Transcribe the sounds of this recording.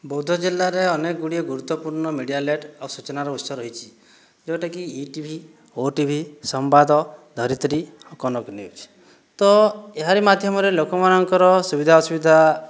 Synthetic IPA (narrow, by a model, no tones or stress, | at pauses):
bɔwd̪ʱɔd͡ʒilːaɾeɔnekɔɡuɽiɔɡuɾut̪ːɔpuɾɳɔmeɽijaleʈawsut͡ʃɔnaɾɔut̪sɔɾːɔɦit͡ʃʰi̥ | d͡ʒɔʈakiiʈibʱi | oʈibʱisɔmbad̪ɔd̪ʱɔɾit̪ɾi | ɔkɔnɔkniṵd͡ʒ | t̪ɔeɦaɾimad̪ʱjɔmɔɾelokɔmanɔŋkɔɾɔsubid̪ʱaɔsubid̪ʱa